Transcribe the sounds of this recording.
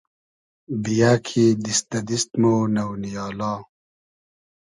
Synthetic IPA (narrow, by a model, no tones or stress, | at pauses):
bijaːkʰiːd̪ist̪ɐd̪ist̪moːnɐwnijɑːlaː